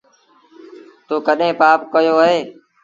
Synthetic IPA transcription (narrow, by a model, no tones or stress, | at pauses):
t̪oːkəɗɦẽːpaːpkəjoːəɦeː